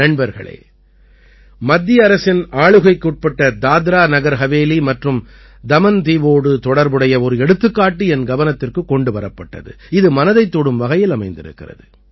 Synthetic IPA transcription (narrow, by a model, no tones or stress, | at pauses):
ɐɳbɐɾɣɐ̰ɭɐ̰ɪ | mɐd̪ːɪjɐɐɾɐsɪnaːɭɯɣɐɪkːuːʈ̚pɐʈːɐd̪aːd̪ɾaːnɐɣɐɾɣɐʋeːlimɐʈrɯm | d̪ɐmɐnt̪iːʋoːɽɯt̪ɔɽɐɾbɯɽɐjɐɔɾɯɛɽɯt̪ːɯkːaːʈːɯɛnɡɐʋɐnɐt̪ːɪrkɯkːɔɳɖɯʋɐɾɐpːɐʈːɐ̰ðɯ̰ | ɪðɯmɐnɐðɐɪt̪ːoɽɯmʋɐɣɐjɪlɐmɐɪnd̪ɪ̰ɾɯ̰kːɪ̰rɐ̰ðɯ